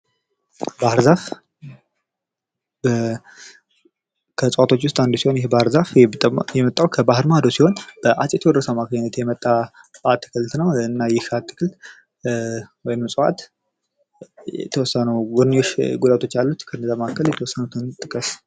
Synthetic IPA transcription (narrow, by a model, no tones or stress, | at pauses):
bahɾzaf | bə | kʰəsʼəwat̪ʰo̞t͡ʃːwʊst̪ʼand̪usihonjɛhbahɾzafjɛmət̪ʼːawkʰəbahɨɾmad̪o̞siho̞nb̥əʔat͡ʃʼjɛt̪ʰəwɔd̪ɾəsamakʰəɲnət̪jɛmət̪ʼːa | bat̪ʰːɨ̥kʰɨlt̪nəwɨnːajɪhat̪ʰːɨ̥kʰɨlt̪ | wɔjnmsʼəwa̰t̪ | jɛ̰t̪ʰəwɔsːənəwɡoɾnijoʃɡulat̪ʰo̞t͡ʃːjalːut̪kʰɨɾnzaməakːəljɛt̪əwɔsːənut̪ʰɨnt̪ʼɨkʼəs